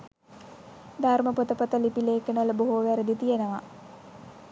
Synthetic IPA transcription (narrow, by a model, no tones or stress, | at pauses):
d̪ʱarməpot̪əpət̪əlipileːkənələboɦuʋæɾəd̪it̪ijenəʋa